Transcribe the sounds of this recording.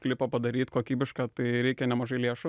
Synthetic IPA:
klʲɪpɐpɐd̪ɐɾʲiːt̪koːkʲiːbʲɪʃkɑːt̪ɐɪɾʲɛɪkʲɛnʲɛmɐʒɐɪlʲiɛʃʊ

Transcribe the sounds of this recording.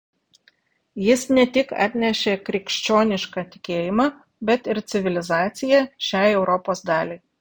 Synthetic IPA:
jɪsnʲɛt̪ʲɪkɑ̰t̪ʲnʲɛʃʲeːkɾʲɪkʲʃʲt͡ʃʲoːnʲɪʃkɑːt̪ʲɪ̥kʲeːjɪmɑː | bʲɛt̪ɪɾt̪sʲɪʋʲɪlʲɪzɑːt̪sʲɪjɛʃʲæˑɪɛʊɾɔpoːsd̪ɑːlʲeɪ

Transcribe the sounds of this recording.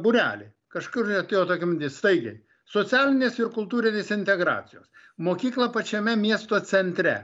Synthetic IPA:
bʊɾʲæ̰ːlʲɪ̰ | kɐʃkʊɾt̪ʲejoːt̪oːkʲɪmd̪ʲɪst̪ɐɪɡʲɐɪ | soːt̪sʲæːlʲɪnʲeːsɪɾkʊlˠt̪uːɾʲɪnʲeːsɪnʲt̪ʲɛɡɾɑ̰ːsʲɪjoːs | moːkʲiːklˠɐpɐt͡ʃʲɛmʲɛmʲiɛst̪oːsʲɛnʲt̪ʲɾʲɛ̰

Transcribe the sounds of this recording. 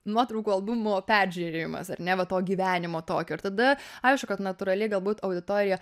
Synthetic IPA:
nuɔt̪ɾɐʊkuːɐlˠbʊmʊpʲæːɾʲʒʲyɾʲeːɪmɐ̰sɐrnʲɛʋɐt̪oːɡʲiːʋʲæːnʲɪmoːt̪oːkʲoːɪɾt̪ɐd̪ɐɐɪʃkʊkɐt̪nɐt̪ʊɾɐlʲɪɡɐlˠbuːt̪ɐʊd̪ʲɪt̪oːɾʲɪjɛ

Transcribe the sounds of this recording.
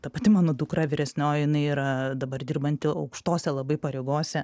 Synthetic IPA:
t̪ɐpɐt̪ʲɪmɑːnoːd̪ʊkɾɐʋʲɪɾʲɛsʲnʲoːjɪnɐɪiːɾɐd̪ɐbɐrd̪ʲiːrbɐnʲt̪ʲɪɐʊkʃt̪oːsʲɛlˠɐbɐɪpɐɾʲeːɡoːsʲɛ

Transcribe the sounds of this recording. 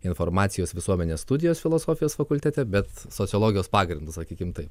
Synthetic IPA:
ɪnfoːɾmɑːt̪sʲɪjoːsʋʲɪsuɔmʲɛnʲeːst̪ud̪ʲɪjoːsfʲɪlˠoːsoːfʲɪjoːsfɐkʊlʲt̪ʲɛt̪ʲɛbʲɛt̪soːt̪ʲɪːlˠoːɡʲɪjoːspɑːɡɾʲɪnd̪ʊssɐkʲiːkʲɪmt̪ɐɪp

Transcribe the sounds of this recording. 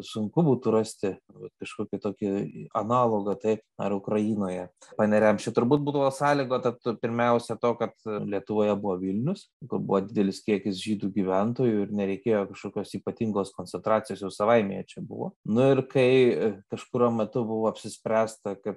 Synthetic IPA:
sʊŋkʊbuːt̪ʊɾɑsʲt̪ʲɪʋɐt̪kɐʃkoːkʲɪt̪oːkʲɪɐnɑːlˠoːɡɐt̪ɐɪpɐrʊkɾɐjiːnoːjɛpɐnʲɛɾʲɛmt͡ʃʲɛt̪ʊɾbuːt̪̚buːd̪ɐʋoːsɑːlʲiːɡoːt̪ɐt̪pʲɪɾʲmʲɛʊsʲɛt̪oːkɐt̪lʲiɛt̪ʊʋoːjɛbʊʋoːʋʲilʲnʲʊs | kʊrbʊ̰ʋoːd̪ʲɪd̪ʲɛlʲɪskʲiɛkʲɪsʒʲiːd̪uːɡʲiʋʲɛnt̪oːjuɪɾnʲɛɾʲɛɪkʲeːjoːkɐʃkoːkʲoːsiːpɐt̪ʲiŋɡoːskoːnʲt͡sʲɛnt̪ɾɑːt͡sʲɪjoːsjɛʊsɐʋɐɪmʲḛːjɛt͡ʃʲɛbʊ̰ʋo̰nʊɪrkɐɪkɐʃkʊɾʲuɔmmʲɛt̪ʊbʊʋoːɐpʲsʲɪsʲpʲɾʲæːst̪ɐkɐt̪

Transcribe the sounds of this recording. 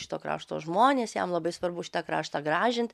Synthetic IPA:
ʃɪ̥t̪oːkɾɑ̰ːʃt̪o̰ːʒmoːnʲeːsjɛ̰mlˠɐbɐɪsʋɐɾbʊʃʲɪ̥t̪ɑkɾɑːʃt̪ɑɡɾɑːʒʲɪnt̪

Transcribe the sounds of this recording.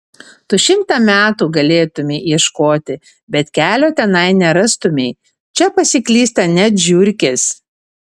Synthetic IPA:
t̪uːʃʲɪmt̪ɑmʲæːt̪uːɡɐlʲeːt̪ʊmʲeːʔiɛʃkoːt̪ʲɪ | bʲɛt̪kʲæːlʲoːt̪ʲɛnɐɪnʲɛɾɐst̪ʊmʲeɪ | t͡ʃʲɛpɐsʲɪkʲlʲiːst̪ɐnʲɛt̪ʒʲʊɾʲkʲes

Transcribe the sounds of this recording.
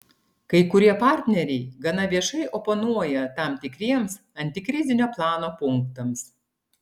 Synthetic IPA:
kɐɪkʊɾʲiɛpɑˑɾʲt̪ʲnʲɛɾʲɛɪɡɐnɐʋʲiɛʃɐɪʔoponuɔjɛt̪ɑˑmt̪ʲɪkɾʲiɛms | ɐnʲt̪ʲɪkɾʲɪzʲɪnʲoːplˠɑːnoːpʊŋkt̪ɐms

